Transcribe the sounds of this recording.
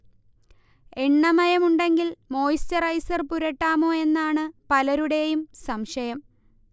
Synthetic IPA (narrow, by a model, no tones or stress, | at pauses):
eɳːɐmɐjɐmuɳɖe̞ŋɡilmo̞ːjistɐrɐjsɐrpuɾɐʈːaːmo̞ːe̞nːaːɳɨpɐlɐɾuɽe̞jumsɐmʂɐjɐm